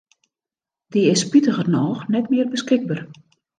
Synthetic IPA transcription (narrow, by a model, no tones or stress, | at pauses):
diɪspitəɣərnɔːxnɛtmɪərbəskɪɡ̚bər